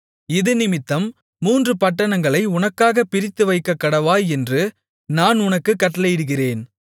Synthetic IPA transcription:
ɪðɯnɪmɪt̪ːɐmː | uːndrɯpɐʈːɐɳɐŋɡɐɭɐɪʊnɐkːaːɣɐpɪɾɪt̪ːɯʋɐɪkːɐkːɐɽɐʋaːjɛndrɯ | naːnʊnɐkːɯkːɐʈːɐlɐjɪɽɯɣɪreːn

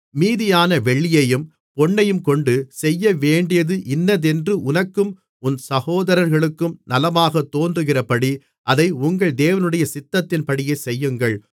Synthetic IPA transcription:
miːðɪjaːnɐʋɛɭːɪjɐjɯm | pɔɳːɐjɯmkɔɳɖɯsɛjːɐʋeːɳɖɪjɐðɯʔɪnːɐðɛndrɯʔʊnɐkːɯm | ʊnsɐɣoːðɐɾɐɾɣɐɭɯkːɯmnɐlɐmaːɣɐt̪ːoːndrɯɣɪrɐpɐɽi | ʔɐðɐɪʊŋɡɐɭd̪eːʋɐnɯɽɐjɐsɪt̪ːɐt̪ːɪnpɐɽɪjɐɪsɛjːɯŋɡɐɭ

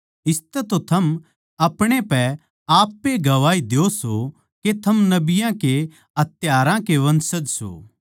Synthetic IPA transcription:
ɪst̪ɛt̪ot̪ʰɐm | ɐpɽ̃epɛ | aːpːeɡɐʋaːid̪eoso | ket̪ʰɐmnɐbɪjãke | ɐt̪jaːɾãkeʋɐ̃nsəd͡ʒso̰ː

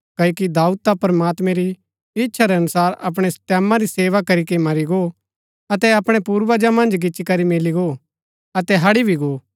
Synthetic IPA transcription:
kɐokid̪aːut̪apɐɾɐmaːt̪mɛ̃ɾi | ɪtːʃʰaɾɛɐnʊsaːɾɐp̬ɽ̃est̪ɛːmãɾiseːʋakɐɾikemɐɾiɡo | ɐt̪ɛɐpɽ̃ɛpuːɾʋɐd͡ʒamɐ̃nd͡ʒɡɪt͡ʃikɐɾimeːliɡoː | ɐt̪ɛɦɐɽibʱiɡoː

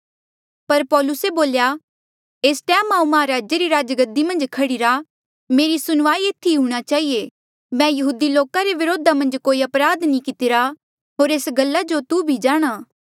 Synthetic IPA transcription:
pɐɾpɔːlʊseboːlja | eːsʈɛːmaːũmɐaɾaːd͡ʒjeɾiɾaːd͡ʒɡəd̪ːimɐ̃nd͡ʒkʰɐɽiɾa | meːɾisʊnʋaːieːt̪ʰːiɦũːɽ̃at͡ʃaːɦie | mɛ̃jɐɦuːd̪iloːkaɾeʋɪɾoːd̪ʱamɐ̃nd͡ʒkoːiɐpɾaːd̪nĩkɪt̪ɪɾa | ɦoːɾeːsɡɐlːad͡ʒot̪ubʱid͡ʒaːɽ̃aː

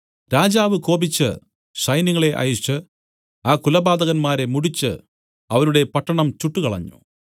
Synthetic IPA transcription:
ɾaːd͡ʑaːʋɨko̞ːbit͡ɕːɨ̰ | ʂɐjniŋɐɭe̞ʔɐ̰jut͡ʃːɨ | aːkulɐbaːd̪ɐɣɐnmaːɾe̞muɽit͡ɕːɨ̰ | ɐʋɐnuɽe̞pɐʈːɐɳɐmt͡ɕuʈːukɐɭɐ̰ɲːṵ

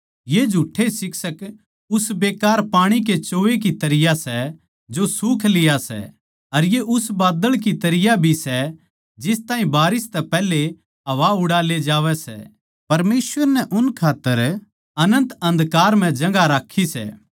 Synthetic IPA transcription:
jed͡ʒʱuːʈʰːesɪksək | ʊsbeːkaːɾpaːɽ̃ik̬et͡ʃoːʋek̬it̪ɐɾɪjasɛ | d͡ʒosuːkʰlɪjasɛ̰ | ɐɾjeʔʊsbaːd̪əɭk̬it̪ɐɾɪjabʱisɛ | d͡ʒɪst̪aːɦĩbaːɾɪst̪ɛpɛːle | ɦɐʋaʊɽaːled͡ʒaːʋɛsɛ̰ | pɐɾmeːsʋəɾnɛʔʊnkʰaːt̪ːəɾ | ɐnə̃nt̪ɐ̃nd̪kaːɾm̤ɛ̃d͡ʒɐ̃ŋɡaɾaːkʰːisɛ̰ː

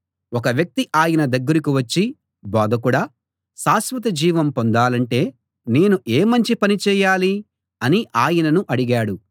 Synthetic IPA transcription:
ɔkɐʋjɐk̚t̪iʔaːjɐnɐd̪ɐɡːɐɾikiʋɐt͡ʃːi | bɔːd̪ʱɐkuɽaː | ʃaːsʋɐt̪̬ɐd͡ʒiːʋɐmpond̪aːlɐɳʈe̞ː | ne̞ːnuʔeːmɐɲt͡ʃipɐnit͡ʃɛːjaːli | ɐniʔaːjɐnɐnuʔɐɽiɡaːɽu

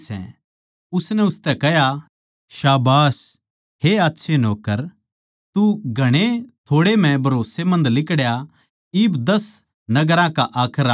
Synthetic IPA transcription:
sɛ̰̃ | ʊsnɛ̃ʊst̪ɛkɛɦja | ʃaːbaːs | heaːtːʃʰenoːkəɾ | t̪uɡʱɐɽ̃et̪ʰoːɽem̤ɛ̃bʱɐɾoːsemɐ̃nd̪lɪkɽja | ɪːbd̪ɐs | nɐɡəɾãkaʔaːkʰəɾa

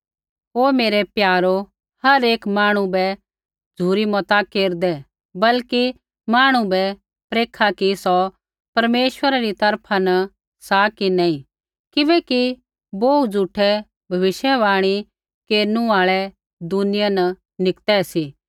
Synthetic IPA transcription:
ɦoːmeːɾɛpjaːɾo | hɐɾeːkmaːɽ̃ũbɛ | d͡zʱuːɾimɔt̪akeːɾd̪ɛ | bɐlki | maːɽ̃ũbɛ | pɾeːkʰakisɔ | pɐɾmeːʃwəɾaɾit̪ɐɾpʰanɐ | saːkinɛĩ | kɪʋɛki | boːud͡zuːʈʰɛ | bʱɐʋɪʃjəʋaːɽ̃i | keːɾnũaːɭɛ | d̪ʊnɪjanɐ | nɪkt̪ɛsiː

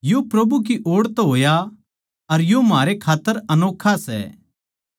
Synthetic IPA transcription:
jopɾɐbuk̬iʔoːɽt̪oɦoːja | ɐɾjomɦaːɾekʰaːt̪ːəɾɐnoːkʰːasɛ̰

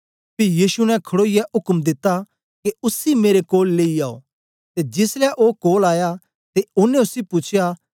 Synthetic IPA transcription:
pijiːsunɛ̃kʰɐɽoːɪjɛɦʊkmd̪ɪt̪ːa | keʊsimeːɾekoːlːeːiaːo̰ | t̪ed͡ʒɪslɛʔoːkoːlaːja | t̪eʊnːɛ̃ʊsipʊt͡ʃʰja

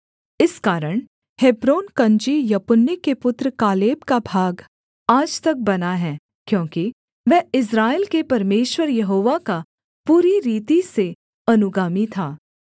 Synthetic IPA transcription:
ɪskaːɾəɽ̃ | heːbɾoːnkɐ̃ɲd͡ʒijɐpʊnːikepʊt̪ɾkaːleːbkabʱaːɡ | aːd͡ʒt̪ɐk̚bɐnaɦɛː | kjõːki | ʋɛɪs̬ɾaːeːlkepɐɾmeːʃwəɾjɐɦoːʋaka | puːɾiɾiːt̪ise | ɐnʊɡaːmit̪ʰaː

